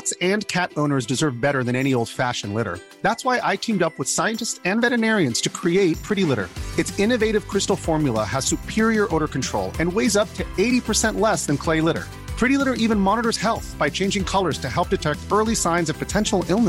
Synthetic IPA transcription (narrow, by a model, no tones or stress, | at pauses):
tsɨ̃nkʰæɾõʊ̃nə˞zdɨzɜ˞vbɛɾə˞ðɨ̃ñɛɾ̃ioʊlˠd̥fæʃɨ̃n̩lɪɾə̰˞ | ðætswaɪʔaɪtʰĩmdʌpwəð̥saɪɨ̃ntɨstsɨ̃nvɛɾɨnɛɹiɨ̃nz̥tʰɨkʰɹ̥ieɪt̚pʰɹ̥ɪɾilɪɾə̰˞ɨtsɪ̃nɨveɪɾɨv̥kʰɹ̥ɪstl̩ˠfɔɹmjl̩ˠə̰əz̥sʉpʰɪɹiə˞ʔoʊɾə˞kn̩tʰɹ̥oʊlˠɨ̃nweɪzʌp̚tʰɨeɪɾipʰə˞sɛ̃nʔlɛsðɨ̃nkʰl̥eɪlɪɾə̰˞ | pʰɹ̥ɪɾilɪɾə˞ʔivɨ̃nmɑnəɾə˞z̥hɛlˠθb̥aɪt͡ʃʰẽɪ̃nd͡ʒɪ̃ŋkʰʌlˠə˞z̥tʰɨɦɛlˠp̚d̥ɨtʰɛk̚tɜ˞lˠisãɪ̃nzʌv̥pʰɨtʰɛ̃nʃl̩ˠɪlˠnəs